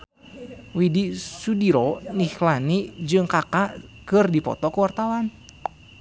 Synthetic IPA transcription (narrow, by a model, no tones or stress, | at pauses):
widisudiɾɔnihlanid͡ʒɨŋkakaʔkɨrdipɔ̰t̪ɔkuwart̪awan